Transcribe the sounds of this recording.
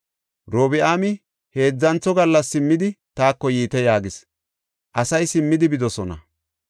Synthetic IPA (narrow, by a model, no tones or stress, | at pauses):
ɾoːbɪaːmɪ | he̞ːd͡zːɐnt͡sːɔɡɐlːɐsːɪmːɪd̪ɪt̪aːkːɔjiːt̪ɛjaːɡɪs | ʔɐsɐjsɪmːɪd̪ɪbɪd̪ɔsɔnɐ̰